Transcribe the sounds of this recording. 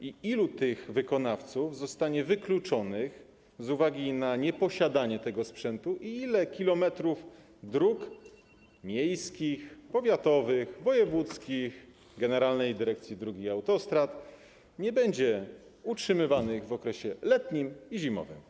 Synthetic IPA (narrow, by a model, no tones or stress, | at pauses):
iilut̪ɘɣvɘkɔnaft̪suvzɔst̪aɲɛvɘklut͡ʂɔnɘx | zuvaɡʲinaɲɛpɔɕad̪aɲɛt̪ɛɡɔspʂɛnt̪uʔiilɛkʲilɔmɛt̪ɾuf | d̪ɾuk | mʲjejskʲixpɔvʲjat̪ɔvɘxvɔjɛvut̪skʲix | ɡɛnɛɾalnɛjd̪ɘɾɛk̚t̪sʲjid̪ɾuɡʲiawt̪ɔst̪ɾat̪ | ɲɛbɛɲd͡ʑɛutʂɘmɘvanɘɣvɔkɾɛɕɛlɛt̪ɲimiʑimɔ̰vɘ̰m